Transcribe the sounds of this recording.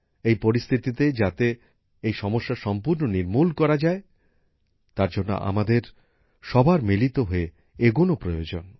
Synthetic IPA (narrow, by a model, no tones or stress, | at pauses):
ejpoɾist̪ʰit̪it̪ed͡ʑat̪e | ejʃɔmoʃːaʃɔmpuɾnoniɾmulkɔɾad͡ʑae | t̪aɾd͡ʑonːo̰ʔa̰mad̪eɾ | ʃɔbʱaɾmilit̪oɦoe | eɡonopɾojod͡ʑon